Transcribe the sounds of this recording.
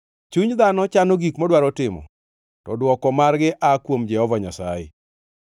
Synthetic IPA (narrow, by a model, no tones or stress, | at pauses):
t͡ʃuɲd̪anɔt͡ʃanoɡikmɔdwaɾɔtɪmɔ̰ | tɔdwɔkɔmarɡɪʔakwomd͡ʒɛhɔvaɲasajɛ̰